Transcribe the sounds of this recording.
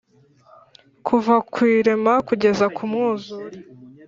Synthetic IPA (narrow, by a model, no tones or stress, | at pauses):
kʰuvakwiːɾe̞makuɟe̞zakʰumŋuːzuɾi